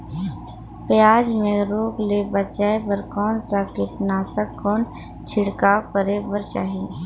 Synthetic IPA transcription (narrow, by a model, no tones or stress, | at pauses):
pjaːd͡ʒmẽɾoːklebət͡ʃaːebəɾkɔːnsakɪp̪naːsəkːɔːn | t͡ʃʰɪɽkaːpəɾebəɾt͡ʃa̰ːɦiː